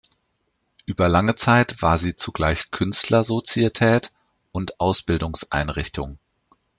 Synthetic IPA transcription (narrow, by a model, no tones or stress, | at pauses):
ʔyːbɐlaŋət͡saɪtv̥aːɐziːt͡suɡlaɪçkʰʏnstʰlɐzot͡sietʰɛːt | ʔʊntʔaʊsb̥ɪldʊŋsʔa̰ɪnʁɪçtʰʊŋ